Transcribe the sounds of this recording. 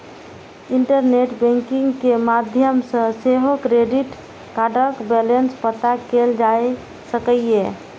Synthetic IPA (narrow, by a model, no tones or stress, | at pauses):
iɳʈəɾneʈbɛ̃ŋkiŋɡkemad̪ʱjəmsə̃seɦokɾeɖiʈ | kaɖəɾkbelenspət̪akeld͡ʒaj | səkəje